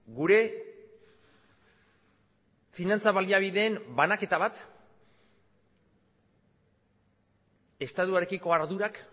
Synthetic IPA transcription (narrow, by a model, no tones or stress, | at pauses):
ɡuɾe̞ | finant͡saβaliaβ̞iðe̞ːmbanake̞t̪aβat̪ | est̪at̪uaɾe̞kiko̞aɾðuɾak